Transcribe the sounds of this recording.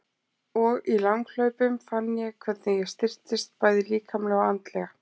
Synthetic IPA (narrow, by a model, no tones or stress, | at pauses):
ɔɣilaŋkl̥œɥpʏmfanːjɛkʰv̥ɛt̪nɪjɛɣst̪ɪr̥t̪ɪst̪̚paːjðɪliːkʰamlɛɣaant̪lɛɣa